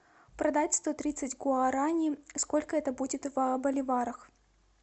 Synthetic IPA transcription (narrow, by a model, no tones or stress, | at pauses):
pɾɐd̪atʲst̪o̞t̪ɾʲit̪sɨtʲɡoaɾanʲɪsko̞lʲkəɛt̪əbudʲɪt̪vɐbəlʲɪvaɾəx